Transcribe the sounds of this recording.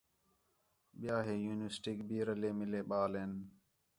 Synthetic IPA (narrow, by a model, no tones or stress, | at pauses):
ɓɪjaːɦeːjuːnesʈɪkbiːɾəleːmɪleːɓaːleːn